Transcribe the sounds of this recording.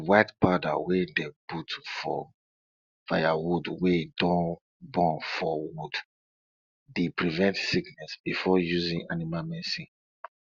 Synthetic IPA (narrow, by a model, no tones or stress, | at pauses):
waɪtbada̰wedebutfɔ̰ | fajawudweidɔ̃n | bɔ̃nfɔwud | depɹivɛ̃ntsiknɛsbifɔjuzĩŋanimamɛsi